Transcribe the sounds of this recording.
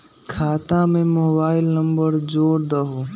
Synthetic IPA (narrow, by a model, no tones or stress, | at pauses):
kʰaːt̪ãmẽmoːbaːɪlnə̃mbəɾd͡ʒoːɾd̪əɦo